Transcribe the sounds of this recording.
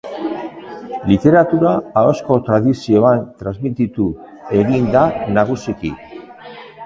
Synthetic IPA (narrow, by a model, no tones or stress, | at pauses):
lit̪e̞ɾat̪uɾaːosko̞t̪ɾaðisio̞ant̪ɾazmit̪it̪u | e̞ɣind̪anaɣ̞usikḭ